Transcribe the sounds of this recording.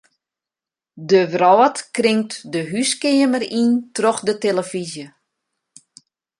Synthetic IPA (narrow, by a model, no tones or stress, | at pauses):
dəʋrɔːətkrɪŋtdəɦyskɪəmərintrɔxdəteləfizjə